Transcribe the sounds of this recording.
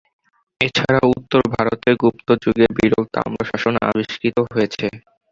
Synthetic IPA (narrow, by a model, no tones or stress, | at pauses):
et͡ɕʰaɾaut̪ːoɾbʱaɾot̪eɡupt̪od͡ʑuɡebiɾoɡt̪a̰mɾoʃaʃonaa̰biʃkit̪oɦoet͡ɕʰe